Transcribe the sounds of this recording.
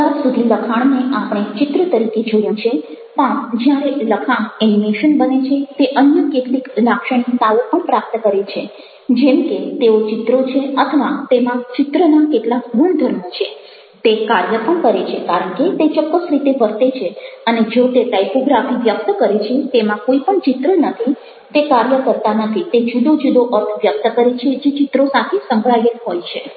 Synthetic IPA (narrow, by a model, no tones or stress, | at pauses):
aɾsud̪ʱiləkʰaɳ̃neʔapɽ̃et͡ʃɪt̪ɾət̪əɾiked͡ʒojũt͡ʃʰet̪ãd͡ʒjaɾeləkʰaɳɛnimeʃənbənet͡ʃʰet̪eʔənjəkeʈliklakʃəɳ̃it̪aopəɳpɾap̚t̪əkəɾet͡ʃʰe | d͡ʒɛmket̪eot͡ʃɪt̪ɾot͡ʃʰeət̪ʰəʋat̪emãt͡ʃɪt̪ɾənakeʈlakbʱuɳd̪ʱəɾmot͡ʃʰe | t̪ekaɾjəpəɳkəɾet͡ʃʰekaɾəɳket̪et͡ʃɔkːəsɾit̪eʋəɾt̪et͡ʃʰeəned͡ʒot̪eʈajpoɡɾafiʋjək̚t̪əkəɾet͡ʃʰet̪emãkoipəɳt͡ʃɪt̪ɾənət̪ʰi | t̪ekaɾjəkəɾt̪anət̪ʰit̪ed͡ʒud̪od͡ʒud̪oʔəɾt̪ʰʋjək̚t̪əkəɾet͡ʃʰed͡ʒet͡ʃɪt̪ɾosat̪ʰesəŋkɭajəkɦojt͡ʃʰe